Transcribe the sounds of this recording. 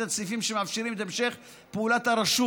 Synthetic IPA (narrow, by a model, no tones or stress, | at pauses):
at͡sifimʃemafʃiɾimet̪aemʃe̞χ | peulat̪haɾaʃu